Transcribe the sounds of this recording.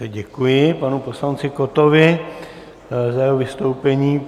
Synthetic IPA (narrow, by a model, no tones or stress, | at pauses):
ɛɟɛkujɪpanupo̞slant͡sɪkot̪ovɪ | zajɛɦovɪst̪o̞wpɛɲiː